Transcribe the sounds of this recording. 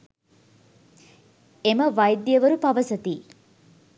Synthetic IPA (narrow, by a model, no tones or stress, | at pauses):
eməʋɐjd̪jəʋəɾupɐʋəsɐt̪iː